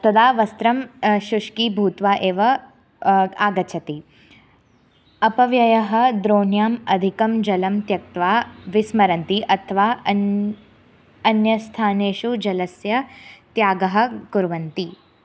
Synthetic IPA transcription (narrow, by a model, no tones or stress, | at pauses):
t̪ɐd̪aːʋɐst̪ɾɐmʃuʂkiːbʱuːt̪ʋaːʔeːʋɐ | aːɡɐt͡ʃʰɐt̪i | ɐpɐʋjɐjɐɦɐ̆d̪ɾoːnjaːmɐd̪ʱikɐmd͡ʒɐlɐmt̪jɐk̚t̪ʋaːʋismɐɾɐnt̪iʔɐt̪ʰɐʋaː | ɐnjɐst̪ʰaːneːʃud͡ʒɐlɐsjɐt̪jaːɡɐɦɐ̆kuɾʋɐnt̪i